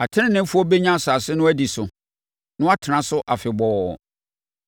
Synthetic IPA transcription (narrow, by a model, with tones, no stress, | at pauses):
a˨tʰɪ̃˦nɪ̃˦nɪ̃˦m˦fʊ˦ɔ˦be˦ɲã˦˨sa˨sɪ˦nʊ̃˦æ˦di˨sʊ˨ | nʊ̃˦a˦tʰɪ˨nã˨sʊ˦ʔa˨fɪ˨bɔː˨